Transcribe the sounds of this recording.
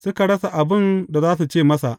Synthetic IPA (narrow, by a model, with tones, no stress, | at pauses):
sʊ˦ka˨ɽɐ˦sa˨ʔa˨bɪ˦nda˨zaː˦su˨t͡ʃeː˦˨mɐ˦sa˨ʔ